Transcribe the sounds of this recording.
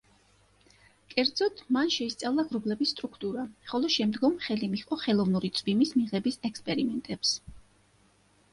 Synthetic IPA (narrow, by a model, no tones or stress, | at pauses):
kʼɛɾd̪zɔt̪ʰmanʃɛist̪sʼavlˠaɡɾuɡlɛbisːt̪ʼɾukʰt̪ʼuɾaχɔlˠɔʃɛmd̪ɡɔmχɛlimiqʼɔχɛlˠɔvnuɾit̪sʼbimismiʁɛbisɛkspʼɛɾimɛnt̪ʼɛps